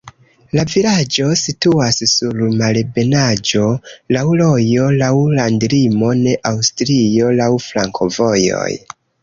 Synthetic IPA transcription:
lavilad͡ʒo̞situassuɾmalbe̞nad͡ʒo̞lawlo̞jo̞lawlandɾimo̞ne̞ʔawstɾijo̞lawflaŋkʰo̞vo̞jo̞̰j

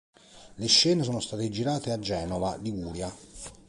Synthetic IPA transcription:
leʃːɛːnesoːnost̪aːt̪ed͡ʒiɾaːt̪ead͡ʒːɛːnovaliɡuːɾja

